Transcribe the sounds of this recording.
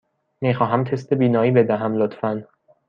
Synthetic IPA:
miːxɒːɦæmt̪ʰe̞st̪ebiːnɒːiːbe̞d̪æɦæmlot̪fæn

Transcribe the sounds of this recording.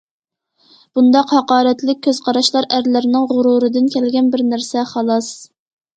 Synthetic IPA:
b̥und̪ɑqhɑqɑːɾɛt̪lɪk̚ʲʰːøz̥qʰɑɾɑʃlˠɑɾæɾlɪɾnɪŋʁʊɾuɾɨd̪ɪnkʲʰɛlɡʲɛnbɪɾnæɾsɛχɑlˠɑs

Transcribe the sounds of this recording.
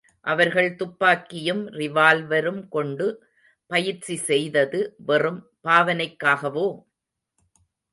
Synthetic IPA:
ʔɐʋɐɾɣɐɭt̪ʊpːaːkːɪjɯmrɪʋaːlʋɐɾɯmkɔɳɖɯ | pɐjɪɾt͡ʃːisɛjðɐðɯʋɛrɯm | paːʋɐnɐɪkːaːɣɐʋoː

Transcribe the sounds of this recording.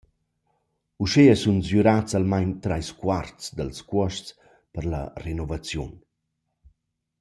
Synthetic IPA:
uʃeasunzjuɾat͡salmajɲt̪ɾajskwart͡sd̪əlskwɔʃt͡s | pəɾla̰renɔvat͡sjun

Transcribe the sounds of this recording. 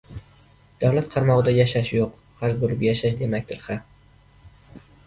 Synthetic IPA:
d̪̥awlat̪qʰɑɾmɒʁɨd̪ajaʃaʃjoq | haʒbolɪpjaʃaʃ̬d̪e̞makʲt̪ʰɪɾχa

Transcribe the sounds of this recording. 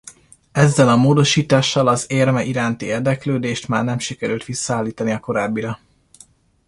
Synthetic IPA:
ɛzːɛlɒmoːd̪o̞ʃiːt̪aːʃːɒlɒzeːrmɛʔiɾaːnt̪ieːrd̪ɛkløːd̪eːʃt̪ma̰ːrnɛmʃikɛɾylt̪ʋisːɒaːlːiːt̪ɒniɒko̞ɾaːbːiɾɒ

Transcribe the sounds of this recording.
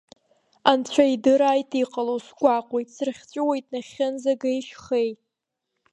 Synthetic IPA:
ant͡ɕʷʰaidɨɾaːjtʰʼiqʼalowsɡʷaqʷʼe̞jtʼsɨrχʲt͡ʃʷʼʊwajtʼnaχʲɪnzaɡajʃχej

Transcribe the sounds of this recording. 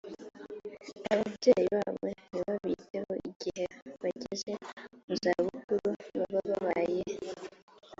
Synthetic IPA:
aβavɟejiβaβweniβaβiteho̞iɟ̥iheβaɟiʒemuzaβukuɾunβaβaβaβaje

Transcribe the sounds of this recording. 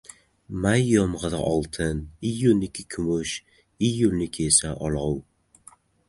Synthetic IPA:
majːɒmʁɨða̰ʔɒlˠt̪ʰɪnijːʊlnɪkʰʲɪkʲʰʊmʊʃ | ijːʊlnɪkʲʰesaʔɒlˠʊw

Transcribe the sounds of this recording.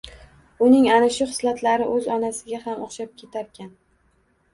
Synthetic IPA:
ʊnɪŋanɪʃʊχɨ̥slat̪ʰlaɾɪʔɵzɒnasɪɡʲahamoχʃap̚kʲʰe̞t̪ʰaɾkʲʰan

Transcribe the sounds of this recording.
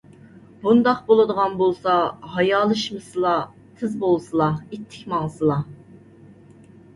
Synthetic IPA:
bund̪ɑqbolˠɨd̪əʁɑnbolˠsɑɦɑjɑːlˠɨʃmɨsɨlˠɑ | t̪ʰɨzbolˠsɨlˠɑet̪ʰːɪ̥kʲmɑŋsɨlˠɑ

